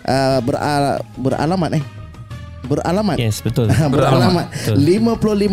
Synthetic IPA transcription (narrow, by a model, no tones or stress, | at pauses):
ʔəbərabəra̰lamat̪̚ɪh | bəra̰lamat̪ɛsbət̪ʊləbəɾalamat̪̚limapulʊlim